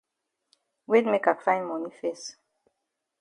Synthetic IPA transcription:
wetmekakʰlãɪ̃nmɔ̃nifɛs

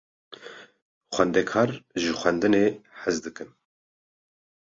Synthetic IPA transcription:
xʷɛnd̪ɛkʰɑːɾʒɨxʷɛnd̪ɨneːħɨzd̪ɨkɨn

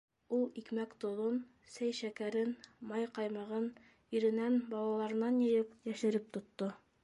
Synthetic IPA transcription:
ulˠikmækt̪ŏðon | sæjʃækæɾɘnmɑjqɑjmɑʁɤn | iɾɘ̆nænbɑlˠɑlˠɑɾɤ̆nːɑnjɤ̆jɤpjæʃɘ̆ɾɘp̚t̪ŏt̪ːo

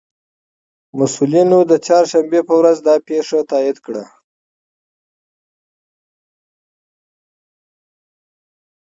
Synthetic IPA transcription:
masulinod̪ət͡ʃɑɾʃambepəwɾazd̪ɑpeʂat̪ɑid̪kɽa

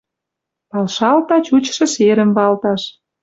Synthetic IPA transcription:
pɑlʃɑlt̪ɑt͡ɕut͡ɕʃɤ̆ʃeɾə̆mβɑlt̪ɑʃ

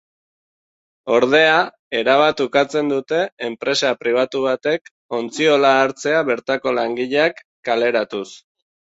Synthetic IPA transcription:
o̞ɾð̞e̞a | e̞ɾaβ̞at̪ukat͡se̞nd̪ut̪e̞ːmpɾe̞sapɾiβ̞at̪uβ̞at̪e̞k | o̞nt͡sio̞laːɾt͡se̞aβe̞ɾt̪ako̞laŋɡiʎeakːale̞ɾat̪us

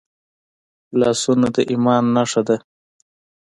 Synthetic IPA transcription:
lɑːsunad̪əʔimɑːnːaʂad̪a

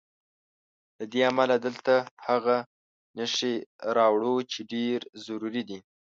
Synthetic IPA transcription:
lad̪eamalad̪əlt̪ahaɣa | nəʃeɾɑwɽot͡ʃeɖeɾzaɾuɾid̪i

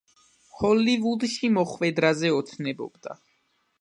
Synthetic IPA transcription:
hɔlivud̪ʃimɔχvɛd̪ɾazɛɔt̪sʰnɛbɔ̰bd̪a̰

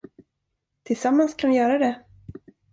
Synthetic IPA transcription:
t̪ʰɪlsamːanskʰanvɪjœːɾad̪ɛ

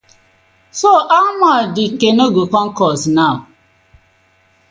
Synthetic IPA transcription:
soʔamadikenoɡokɔŋ̩kɔsnaʊ

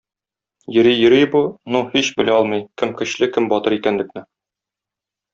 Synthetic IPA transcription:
jɵ̆ɾijɵ̆ɾijbunuhiɕbɘ̆læɒlˠmɤjkɘmkɘ̆ɕlɘkɘmbɒt̪ɤɾikænlɘ̆k̚nɘ

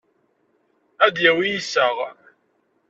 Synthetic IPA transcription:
æd̪jæwijisəʁ

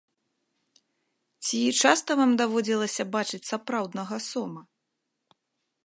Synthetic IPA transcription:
t͡sʲit͡ʂast̪ɐvamd̪avɔd͡zʲilˠɐsʲɐbat͡ʂɨt͡sʲsapɾawd̪nɐɣɐsɔmɐ

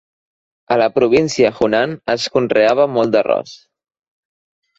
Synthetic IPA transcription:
ələpɾuβ̞insiəxunanəskunreaβ̞əmɔlˠd̪ərɔ̰s

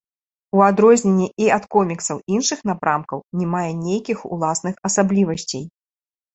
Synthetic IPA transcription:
uad̪ɾɔzʲnʲɛnʲːiʔiat̪kɔmʲiksɐwinʂɨxn̪apɾʔamkɐwnʲɛmajɛnʲejkʲixṵlˠasnɨxɐsablʲivɐsʲt͡sʲej

